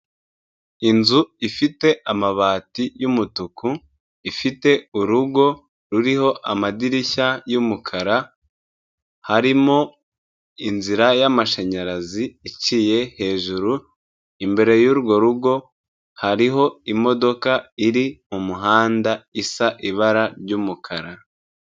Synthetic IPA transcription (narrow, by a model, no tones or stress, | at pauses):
inzuifite̞amaβaːtijumutuku | ifite̞uɾuɡo̞ | ɾuɾiho̞ʔamadiɾiçajumukʰaɾa | haɾimo | inziɾajamaʃeɲaɾaziːcije̞he̞ːʒuɾu | imbe̞ɾe̞juːɾuɡo̞ɾuɡo̞ | haɾiɦo̞imo̞do̞kaiɾimumuɦaːndaisaʔiβaɾaɾɟuːmukʰaɾa